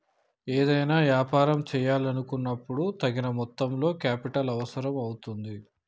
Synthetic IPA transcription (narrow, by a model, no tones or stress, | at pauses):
eːd̪ɐjnaːʋjaːpaːɾɐmt͡ʃɛːjaːlɐnukunːɐpːuɽut̪ɐɡinɐmɔt̪ːɐmlo̞ːkaːpiʈɐlɐʋɐsɐɾɐmɐwut̪und̪i